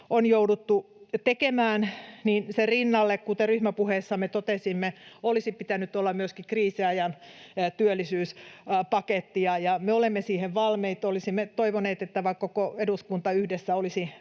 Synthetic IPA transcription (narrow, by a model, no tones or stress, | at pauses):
onjoudut̪ːut̪ekemæːnninserinːɑlːekkut̪eryhmæpuheːsːɑmet̪ot̪esimːeolisipit̪ænyt̪olːɑmyøskikriːsiɑjɑnt̪yølːisyːspɑket̪ːijɑjɑmeolemːesiːheʋʋɑlmeit̪olisimːet̪oiʋoneːt̪et̪ːæʋɑkkːokoeduskunt̪ɑyhdesːæolisi